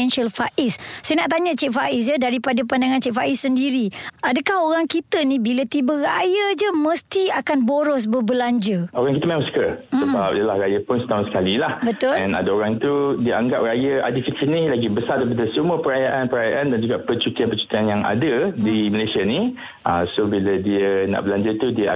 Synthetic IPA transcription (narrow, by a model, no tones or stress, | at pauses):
ɛnʃalfaʔissajnaʔt̪aɲə̃t͡ʃɛʔ̚faʔis̬d͡ʒədaɾipadapandaŋãnt͡ʃɛʔ̚faʔisːəndiɾiadəkahoɾaŋkit̪ənĩbilət̪ibərajəd͡ʒəmə̃st̪iakanboɾɔs̬bəbəlaɲd͡ʒəoɾaŋkit̪əmãmskəsəbap̚idəlahɾajəpʊnsə̥t̪aɦʊnsə̥kalilahbət̪ʊlɛ̃na̰daoɾaŋt̪udiəʔaŋɡap̚rajəa̰difikinilaɡibəsaɾd̪ip̬adəsumuəpəɾajaʔanpəɾajaʔandand͡ʒuɡaʔpət͡ʃut̪ianpət͡ʃu̥t̪ianjaŋa̰dədiməlajsiani | ʔəsobilədiəna̰ʔbəlaɲd͡ʒət̪udiə